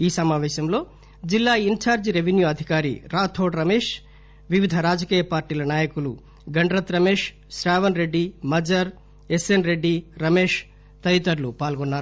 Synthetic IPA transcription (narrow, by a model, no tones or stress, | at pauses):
iːsɐmaːʋɛːʃɐmlo̞ː | d͡ʒilːaːint͡ʃaːɾd͡ʒɾeʋenjuɐd̪ʱikaːɾḭɾaːt̪ʰo̞ːʈɾɐmeːʂ | ʋiʋid̪ʱɐɾaːd͡ʒɐkiːjɐpaːɾʈiːlɐnaːjɐkulṵ | ɡɐɳɖɾɐt̪ɾɐmeːʂ | ʃɾaːʋɐnɾe̞ɖːimɐd͡ʒɐɾ | esenɾe̞ɖːiɾɐme̞ːʂ | t̪ɐjt̪ɐɾlupaːlɡonːaːɾu